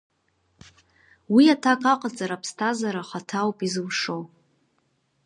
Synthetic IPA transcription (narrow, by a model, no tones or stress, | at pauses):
wiatʰakʼaqʼat͡sʼaɾapʰstʰazaɾaχatʰawpʼizɨwʂo̞w